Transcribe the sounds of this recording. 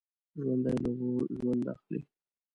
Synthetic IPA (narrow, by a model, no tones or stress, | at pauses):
ʒwand̪ajloboʒwand̪a̰xlḭ